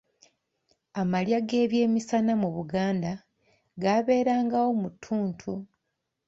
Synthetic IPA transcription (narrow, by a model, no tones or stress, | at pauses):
amaljaɡe̞ːβje̞ːmisanamuβuɡaːnda | ɡaβe̞ːɾaːŋɡawo̞mutʰːuːntʰu